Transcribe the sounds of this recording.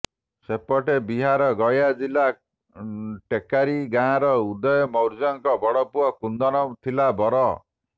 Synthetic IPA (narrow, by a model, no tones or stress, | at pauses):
sepɔʈebiɦaɾɔɡɔjad͡ʒila | ʈekaɾiɡãːɾɔud̪ɔjɔmɔwɾd͡ʒɔŋkɔbɔɽɔpuɔkund̪ɔnɔt̪ʰilabɔɾɔ